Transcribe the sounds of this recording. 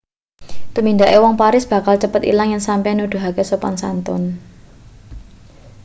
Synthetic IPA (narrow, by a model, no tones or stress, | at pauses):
t̪umind̪aʔewɔŋpaɾɪsb̥ä̤kalt͡ʃəpət̪ḭlaŋjansampɛnud̪̥ṳɦakesopansa̰nt̪ɔ̰n